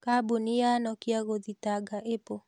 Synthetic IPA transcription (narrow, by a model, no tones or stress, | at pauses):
kabunijanɔkiaɣoðitaɡaʔepo